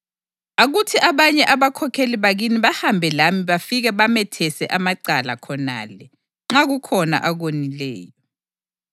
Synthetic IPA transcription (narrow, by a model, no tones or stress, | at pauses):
aɣutʰiʔaβaɲɛʔaβakʰɔkʰeliβaɣiniβahambʱɛlamiβafiɣɛβamɛtʰɛsɛʔamaǀala̰kʰɔna̰lɛ | ŋ͡ǁaɣukʰɔna̰ʔaɣwonilɛ̰ːjɔ